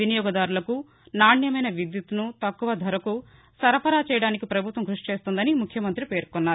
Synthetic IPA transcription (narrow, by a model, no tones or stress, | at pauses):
inijɔːɡɐd̪aːɾulɐku | naːɳjɐmɐjnɐʋid̪jut̪unut̪ɐkːuʋɐd̪ʱɐɾɐku | sɐɾɐpɐɾaːt͡ʃɛːjɐɽaːnikipɾɐbʱut̪ʋɐmɡɾuʂi̥t͡ʃe̞ːst̪und̪ɐnimukʰːjɐmɐnt̪ɾipe̞ːɾkɔnːaːɾu